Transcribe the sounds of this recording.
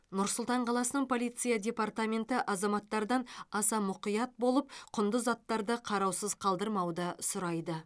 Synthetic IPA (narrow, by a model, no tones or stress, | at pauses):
nʊɾsʊlˠt̪ɑɴqʰɑlˠɑsənəɴpʰo̞lijt̪sɨjadʲe̞part̪amʲe̞nt̪ɪʔɑzɑmɑt̪ːɑɾd̪ɑnɑsɑmʊqijɑt̪̚bo̞lˠəp̚qʰʊnd̪əzɑt̪ːɑɾd̪əqʰɑɾɑwsəzqʰɑlˠd̪əɾmɑwd̪ɑsʊɾɑjd̪ə